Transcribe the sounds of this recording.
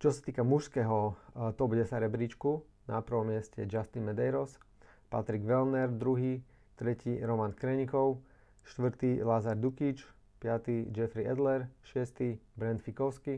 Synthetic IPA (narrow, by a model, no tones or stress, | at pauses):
t͡ʃɔsḁt̪iːkamuʃskɛɦɔt̪ɔbuɟɛsaɾɛbɾit͡ʃku | napr̩ʋɔmɪɛscɛ̰d͡ʒast̪inmɛd̪ɛjɾɔs | pa̰t̪ɾiɡʋɛlnɛɾd̪ɾuɦi | t̪ɾɛciɾɔmankɾɛɲikɔʊ | ʃt̪ʋɾ̩t̪ilazaɾd̪ukit͡ʃ | pɪat̪id͡ʒɛfɾiɛd̪lɛɾʃɪɛst̪ibɾɛnd̪fikɔʊski